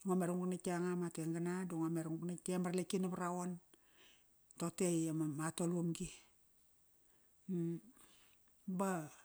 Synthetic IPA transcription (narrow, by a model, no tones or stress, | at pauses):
iŋomeɾuŋuknakaŋamateŋɡanaduŋomeɾŋuknakemaɾlekinaβaɾawon | totejamamatolumɡi | ba